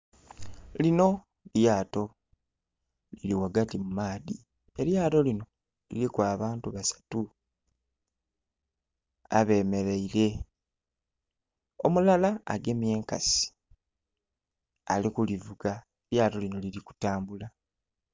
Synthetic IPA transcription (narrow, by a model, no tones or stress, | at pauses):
lino̞ | ljaːto̞ | liliwaɡatimumaːði | e̞ɾjaːto̞lino̞ | lḭlikwaːβaːntuβasḁtu | a̰βe̞ːme̞ɾeiɾe̞ | o̞mulala̰ːɡe̞mje̞ːŋka̰si̥ | a̰likulivuɡa | eljaːto̞lino̞liliku̥taːmbula